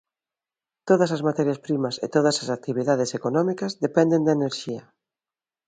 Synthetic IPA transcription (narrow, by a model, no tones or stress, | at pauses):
t̪oðɐsɐzmat̪ɛɾjɐspɾimɐsḛt̪oðɐsɐsak̚t̪iβ̞iðað̞esekonɔmikɐzðepɛnd̪end̪ɐeneɾʃiɐ